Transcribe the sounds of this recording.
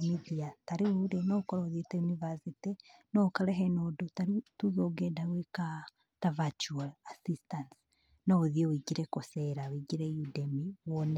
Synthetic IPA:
miðiataɾiuɾenokoɾaoðieteunivasitinokaɾeɦenodotaɾituðoɡedaweka | tavat͡ʃualasistans | nooðiewiɡiɾekoseɾawiɡiɾejudemiwone

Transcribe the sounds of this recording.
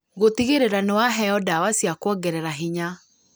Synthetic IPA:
ɣotiɣeɾeɾanewaɦɛɔdawasjakwɔɡɛɾɛɾaɦiɲa

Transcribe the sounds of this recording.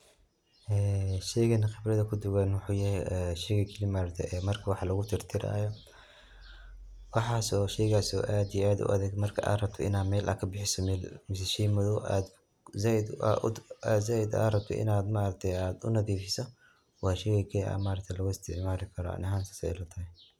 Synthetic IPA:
ʔɛːʃɛjɣɐnɐxɪbrɐðɐkʰʊd̪ʊwanwʊħuːjɐjɛʃɛɣɐkʰɪlimaːɾɐt̪ʰɛʔɛːmɐrkʰɐwɑħlɐɣʊt̪ʰɪrt̪ʰɪɾa̰ːjɔ | wɑħɑːsɔːʃɛjɣaːsɔ̰ʔaːd̪ijɛaːd̪ʊ̰ʔɐ̰ðɛːɡmɐrkʰɐ̰ʔa̰ːrɐb̚t̪ʰɔɪ̰naːdmɛːlʔɐ̰ːkʰɐbɪħɪsɔmɛːlmɪs̬ɛʃɛjmʊðɔːʔa̰ːd̪ | zaːʔɪd̪ʔʔ̪zaːɪd̪a̰ːɾɐb̚t̪ʰɔ̰ʔɪ̰naːd̪maːɾɐt̪ʰɛjaːd̪ʊ̰nɐðiːfɪsɔ | wɑːʃɛjɣɐkʰɛa̰maːɾɐk̚t̪ʰɛlɐɣʊɪst̪ʰɪʕmaːɾɪkʰɐɾɔ̰ʔɐ̰nɐɦaːnsɐ̥sɛ̰ɪlɐt̪ʰɐɦɛ

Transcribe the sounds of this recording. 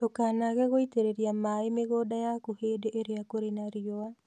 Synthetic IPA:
okaːnaɣɛɣoiteɾeɾiamaemeɣodajakuheːdeʔeɾeakoɾenaɾioa

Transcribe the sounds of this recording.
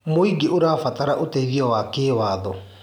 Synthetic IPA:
moiɡiʔoɾaːfataɾaʔoteiɣiɔwakɪːwaːðɔ

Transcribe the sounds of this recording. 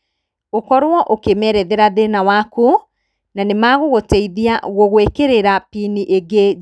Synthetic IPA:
okɔɾwɔʔokemɛɾɛðeɾaðenawaku | nanemaɣoɣotɛiðiaɣoɣwekeɾeɾapiniʔeɡe

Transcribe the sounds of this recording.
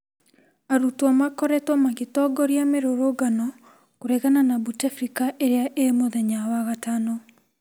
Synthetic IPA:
aɾutɔmakɔɾɛtomaɣetɔɡɔɾjameɾoɾoɡanɔ | koɾeɣananabutafɾikaʔeɾeaʔemoðɛɲawaɣatanɔ

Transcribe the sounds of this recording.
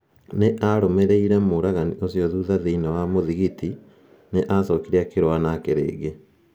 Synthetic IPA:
neʔaɾɔmɛɾɛiɾɛmoɾaɣaniʔosiɔðuːðaðeinawamoðiɣiti | neʔasɔkiɾiakeɾoanakeɾḛːɣe

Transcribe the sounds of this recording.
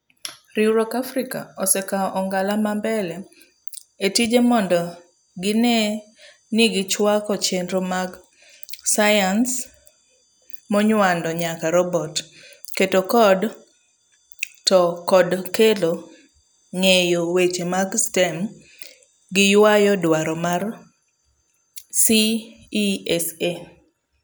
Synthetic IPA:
ɾiuɾɔkafɾika̰ɔsɛkaʔɔŋɡalamambɛlɛ | etid͡ʒemɔndɔ | ɡɪne | niɡɪt͡ʃwakɔt͡ʃendɾomaɡ | sajans | mɔɲwandɔɲakaɾɔbɔt | ketokɔd | tɔkɔdkelo | ŋejowet͡ʃemaɡstɛm | ɡɪjwajɔdwaɾɔmar | si | ɛse

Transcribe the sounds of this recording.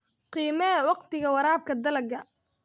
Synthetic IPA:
qiːmɛɛwɑqt̪ɪɣɐwɑɾaːb̚kʰɐd̪ɐlɐɡɐ

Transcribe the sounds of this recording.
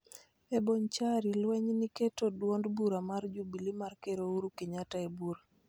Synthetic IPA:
eboɲt͡ʃaɾilwɛɲniketodwondbuɾamard͡ʒubilimarkeɾouɾukiɲataebuɾa

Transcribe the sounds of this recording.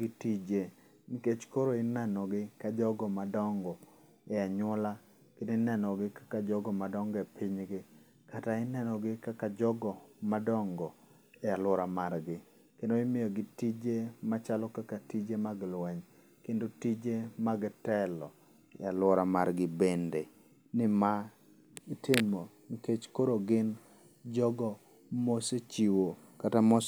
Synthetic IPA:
itid͡ʒe | nɪket͡ʃkoɾoɪnɛnɔɡɪkad͡ʒɔɡɔmadɔŋɡɔ | ɛaɲɔla | kendonɛnɔɡɪkḁkad͡ʒɔɡɔmadɔŋɡɛpʰɪɲɡɪ | kataɪnɛnɔɡɪkakad͡ʒɔɡɔmadɔŋɡɔ | ɛalwɔɾamarɡɪ | kendoɪmɪjɔɡɪtid͡ʒemat͡ʃalɔkakatid͡ʒemaɡlwɛɲ | kendotid͡ʒemaɡtɛlɔ | ɛ̰alwɔɾamaɾɡɪbende | nɪma | ɪtɪmo | niket͡ʃkoɾoɡɪn | d͡ʒɔɡɔ | moset͡ʃiwo | katamos

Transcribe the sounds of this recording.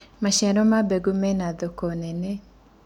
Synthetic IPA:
maʃɛɾɔmabɛɡumɛnad̪ɔkɔnɛne

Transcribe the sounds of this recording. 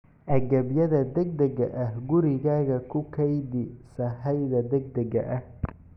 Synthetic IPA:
ʔɐɣɐbjɐðɐd̪ɛɡ̚d̪ɛɣɐʔɐhɡʊɾɪɣaːɣɐkʰʊkʰɛjd̪ɪsɐɦɐjðɐd̪ɛɡ̚d̪ɐɣɐ̰ʔɐh

